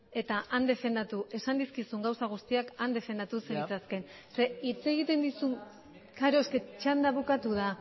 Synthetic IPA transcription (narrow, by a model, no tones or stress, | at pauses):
e̞t̪aʔand̪e̞fe̞nd̪at̪uʔe̞sand̪iskisuŋɡawsaɣ̞ust̪iakand̪e̞fe̞nd̪at̪useit͡saske̞nse̞it͡se̞ɣ̞it̪e̞nd̪isun | kaɾo̞esket͡ʃand̪aβukat̪uða